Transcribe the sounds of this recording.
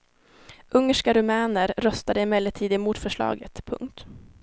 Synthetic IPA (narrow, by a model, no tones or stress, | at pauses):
ʔɵŋːəʂkaɾʊmæːnəɾɾœst̪ad̪əɪmɛlːəʈʰiːd̪ɪmuːt̪fœʂɭɑ̰ːɡət̪pʰɵ̰ŋkt̪